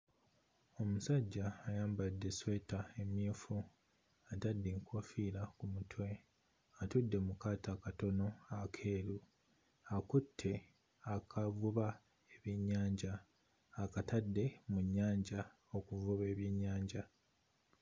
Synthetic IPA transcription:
o̞musaɟːaːjaːmbadːe̞swe̞tae̞mjiːfu | atadːiŋkwo̞fiːɾakumutʰwe̞ | atudːe̞mukaːtakato̞no̞akʰe̞ːɾu | akutʰːe̞ | akʰavuβa | eβiɲːaːɲɟaː | katadːe̞muɲːaːɲɟa | o̞kuvuβe̞ːβjiɲːaːɲɟa

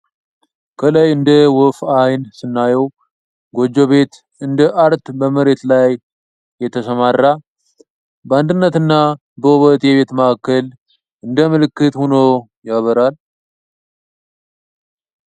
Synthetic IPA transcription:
kʰələjɨnd̪əwɔfajnsɨnːajəw | ɡo̞d͡ʒo̞βe̞t̪ | ɨnd̪əʔaɾt̪bəməɾe̞t̪lajː | ɛt̪ʰəsəmarːa | bəand̪ɨnːət̪ɨnːa | bəwɔβət̪jɛβe̞t̪məʔakːəl | ɨnd̪əmɨlɨkːɨt̪hono | jaβəɾal

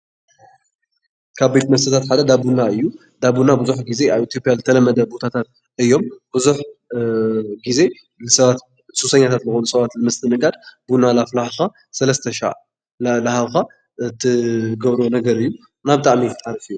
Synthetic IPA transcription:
kʰaβbet̪mɐsɐt̪ʰat̪ħad̪ɐd̪abunaɨjːu | d̪aβunabɨzuħɡize̞ʔaβit̪ijo̞pʼijazɨt̪ʰɐlɐmːɐd̪ɐbo̞t̪ʰat̪ʰat̪̚ | ɨjːo̞mb̥ɨzuħ | ɡize̞ | lɨsɐβat̪ | sʼusɐɲːat̪ʰat̪zɨxonusɐβat̪lɨmɨst̪ʰɨnɨɡad̪bunalaflahka | sɐlɐst̪ʰɐʃa̰ʔ | lahaβka | ɨt̪ʰːɨɡɐβɾonɐɡɐɾɨjːu | naβɨt̪ʼaʕmikɨt̪ʼaɾɐfɨjːu

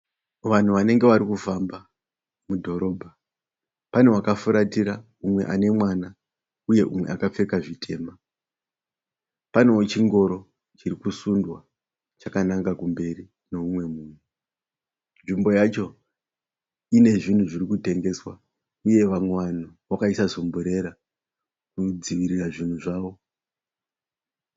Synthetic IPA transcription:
ʋan̤uʋane̞ŋɡe̞ʋaɾikufamba | mudʱo̞ɾo̞ːbʱa | pane̞wakafuɾatiɾa | umwe̞̰ʔane̞mwana | uje̞̰ʔumwe̞̰akap͡fe̞kaʐitʰe̞̰ːma | pane̞ot͡ʃiŋɡo̞ɾo̞ | t͡ʃiɾikusundwa | t͡ʃakanaŋkakumbe̞ri | no̞umwe̞muːmwe | nʐimbo̞jat͡ʃo̞ | ine̞ʐin̤uʐirikute̞ŋɡe̞swa̰ | uje̞ʋaŋwan̤oʋakaisazo̞mbuɾe̞ɾa | kud͡ziʋiɾiraʐin̤uʐaːʋo̞

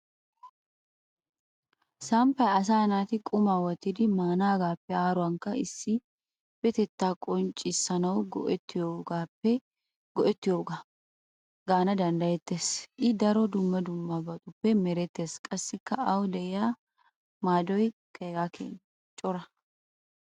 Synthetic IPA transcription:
sɐmpːɐjɐs̬aːnaːt̪ɪkʼʊmaːwɐt̪ːɪd̪ɪmaːnaːɡaːpːɛaːɾʊwɐŋkːɐɪsːɪ | b̥ɛt̪ɛt̪ːaːkʼɔnt͡ʃʼːɪsːɐnɐwɡɔ̰ʔɛt̪ːɪjoːɡaːpːɛ | ɡ̥ɔʔɛt̪ːɪjoːɡaː | ɡaːnɐd̪ɐnd̪ɐjɛt̪ːeːsʔɪd̪ɐɾɔd̪ʊmːɐd̪ʊmːabɐt̪ʼʊpːɛmɛɾɛt̪ːe̞ːskʼɐsːɪkːɐɐwd̪ɛɪjaː | maːd̪ɔjkʰeːɡakḛn | t͡ʃʼɔɾɐ

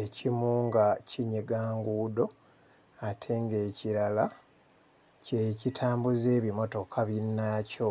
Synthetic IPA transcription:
e̞cimuːŋɡacʰiɲiɡaːŋɡuːdo̞ | atʰe̞ŋɡe̞ːciɾala | ce̞citʰaːmbuze̞ːβimo̞to̞kʰaβinːaːco̞

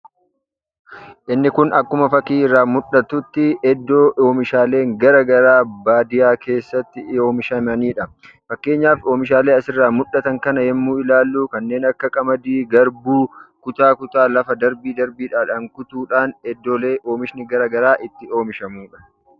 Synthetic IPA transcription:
ʔɪnːɪkʊnɐkːʊmɐfɐkiːɪrːaːmʊᶑɐt̪ʊt̪ːɪʔɛd̪ːo̞ːo̞ːmɪʃaːle̞ːŋɡɐɾɐɡɐɾaːbaːd̪ɪjaːke̞ːsːɐt̪ːɪo̞ːmɪʃɐmɐniːᶑɐ | fɐkːe̞ːɲːaːfo̞ːmɪʃ̬aːle̞ːɐsɪrːaːmʊᶑːɐt̪ɐŋkɐnɐhɛmːuːɪlaːlːuːkɐnːe̞ːnɐkːɐkʼɐmɐd̪iːɡɐɾbuːkʊt̪aːkʊt̪aːlɐfɐd̪ɐɾbiːd̪ɐɾbiːᶑaːᶑɐŋkʊt̪uːᶑaːnɛd̪ːo̞ːle̞ːʔo̞ːmɪʃnɪɡɐɾɐɡɐɾaːʔɪt̪ːɪo̞ːmɪʃɐmuːᶑɐ̥

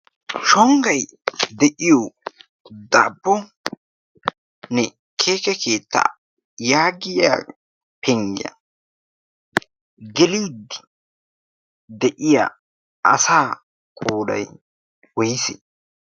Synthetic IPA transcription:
ʃɔŋɡɐj | d̪ɛʔɪjɔ | d̪abːɔ | nɛ | kʰeːkɛkʰeːt̪ːa̰ | jaːɡɪja̰ː | pʰɛŋɡɪjɐ̰ | ɡɛlɪwʊd̪ːɪ̥ | d̪ɛʔɪja̰ | ɐ̰saː | kʼoːd̪ɐ̰j | wɔjɪsḛ

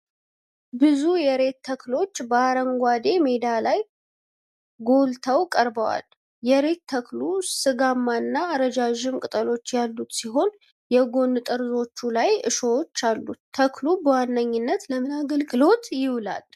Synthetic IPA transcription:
bɨzujɛɾe̞t̪ʰːəklo̞t͡ʃːbəaɾəŋɡʷad̪e̞me̞d̪alaj | ɡo̞lt̪ʰəwkʼəɾbəwa̰l | jɛɾe̞t̪ʰːəklusɨɡamːanːaːɾəd͡ʒaʒɪmkʼɨt̪ʼəlo̞t͡ʃːjalːut̪siɦo̞n | jɛɡo̞nːɨt̪ʼəɾzo̞t͡ʃːulajɨ̰ʃowot͡ʃːalːuəklubəwanːəɲːɪnːət̪ləmɨnaɡəlɡɨlo̞t̪jɪwla̰l

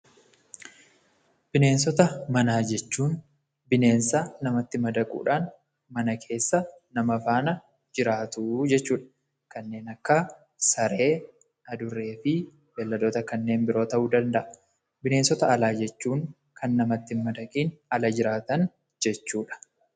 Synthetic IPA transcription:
bɪne̞ːnsɔt̪ɐmɐnaːd͡ʒɛt͡ʃːuːn | bɪne̞ːnsanɐmɐt̪ːɪmɐd̪ɐkʼṵːᶑaːn | mɐnɐkʰe̞ːsːɐ | nɐmɐfaːnɐ | d͡ʒɪɾaːt̪ʊd͡ʒɛt͡ʃːuːᶑɐ̥ | kɐnːe̞ːnɐkːɐ | sɐɾe̞ː | ɐd̪ʊɾːe̞ːfɪ | bɛlːɐd̪oːt̪ɐkɐnːe̞ːnbɪɾo̞ːt̪ɐʔuːd̪ɐnd̪ɐʔɐ | bɪne̞ːnsɔt̪ɐɐlaːd͡ʒɛt͡ʃːuːŋ | kʰɐnːɐmɐt̪ːɪmɐd̪ɐkʼiːnɐlɐd͡ʒɪɾaːt̪ɐn | d͡ʒɛt͡ʃːuːᶑɐ̥

